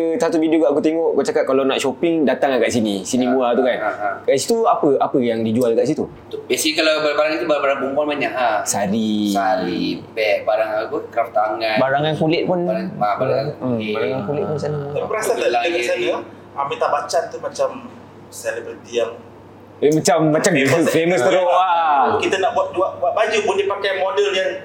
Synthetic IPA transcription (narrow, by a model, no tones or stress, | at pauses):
əsat̪uvidioɡaʔakut̪eŋɔʔkat͡ʃakat̪̚kalanaʔʃopɪŋdat̪aŋakaʔsinisinĩbuat̪ukankaʔsit̪uapəapəjaŋdid͡ʒualkaʔs̬it̪u | t̪bɛsiikalabaabaɾaŋit̪ubabaɾaŋbumbɔlbaɲaʔasaɾiaibɛʔ̚baɾaŋakukərt̪aŋãbaɾaŋankulɪʔ̪̚pʊnaɾaabaɾaakibaɾaŋankulɪʔpʊnsanəaibəɾasaalaəŋasanəa | amit̪aʔbat͡ʃant̪umat͡ʃam | sɛlɛbəɾit̪ijaŋ | mat͡ʃamːat͡ʃamfeməst̪əɾʊakit̪ənaʔbuat̪̚d͡ʒuaʔaʔbad͡ʒupundipakajmodəljaŋ